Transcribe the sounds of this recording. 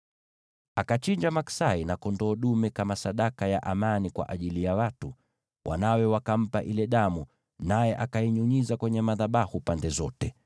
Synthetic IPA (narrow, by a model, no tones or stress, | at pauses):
akat͡ʃiɲd͡ʒamaksainakɔndɔːɗumɛkamasaɗakajaʔamanikwa̰ʔaʄilijawatu | wʔa̰nawɛwakam̩paʔilɛɗamu | najɛʔakaiɲuɲizakwɛɲɛmaðaɓahupandɛzɔtɛ